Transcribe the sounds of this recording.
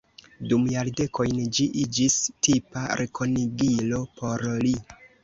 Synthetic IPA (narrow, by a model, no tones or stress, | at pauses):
dumjalde̞ko̞jnd͡ʒiʔid͡ʒistipaɾʔekʰo̞niɡilo̞pʰo̞ɾli